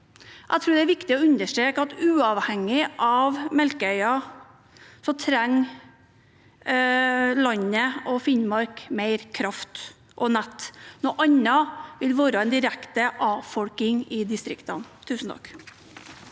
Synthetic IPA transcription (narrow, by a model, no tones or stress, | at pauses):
ʔæɪt̪ɾʉːɖ̪ɛæɾʋɪkt̪ɪɔʉnəʂʈɾeːkɑt̪ʉːɑʋhɛŋːɪʔɑʋmɛlkəœʏɑ | sɔmt̪ʰɾæŋ | lɑɲəɔfɪnmɑɾkmeɪɾkʰɾɑft̪ | ʔɔnɛt̪ːnoːʔɑɲːɑʋɪlʋoːɾəɛɪnd̪ɪɾækt̪əʔɑːfɔlkɪŋɪd̪ɪst̪ɾɪkt̪ɑ̰nt̪ʰʉːsn̩t̪ʰɑ̰k